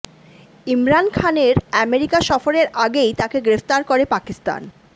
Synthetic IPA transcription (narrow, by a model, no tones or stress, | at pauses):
imɾankʰaneɾɛmeɾikaʃɔfoɾeɾʔaɡejt̪akeɡɾeft̪aɾkoɾepakist̪a̰n